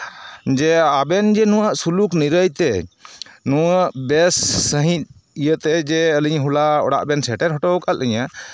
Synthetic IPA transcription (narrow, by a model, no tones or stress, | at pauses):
d͡ʒɛabɛnd͡ʒɛnũwaʔsulukniɾəjt̪ɛ | nuwaʔbɛsːəɦĩt̪̚ | ijət̪ɛd͡ʒɛəliɲɦulaɔ̰ɽa̰ʔbɛnsɛʈɛɾɦɔʈɔwkalʔəɲa